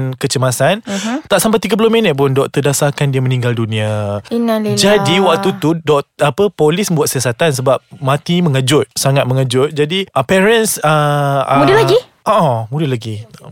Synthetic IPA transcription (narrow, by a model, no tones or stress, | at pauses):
nkət͡ʃəmasant̪aʔsampat̪iɡap̬ulʊminət̪̚pʊndɔʔt̪ədasarkandiamənĩŋɡaldunĩaind͡ʒadiwak̚t̪ut̪udɔʔapəpolɪsəmbuat̪̚siasat̪ans̬əbap̚mat̪iməŋəd͡ʒʊt̪̚saŋat̪̚məŋəd͡ʒʊt̪̚d͡ʒadiʔəpɛɾənsəmudəlaɡi | ʔoʔɔmudəlaɡi